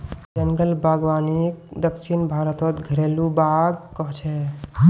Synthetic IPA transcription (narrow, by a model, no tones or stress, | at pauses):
d͡ʒəŋɡəlbaɡwaːnik̚d̪əkt͡ʃʰinbʱaːɾət̪ɔt̪ɡʱəɾeːlubaɡkɔɦt͡ʃʰɛ